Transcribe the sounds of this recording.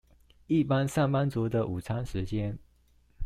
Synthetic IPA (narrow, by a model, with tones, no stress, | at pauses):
i˥˩pa˦nsa˥˩npa˥nt͡su˧˥d̪ə˧ʔu˨˩t͡sʰa˥nʂɻ̩˧˥t͡ɕjɛ˥n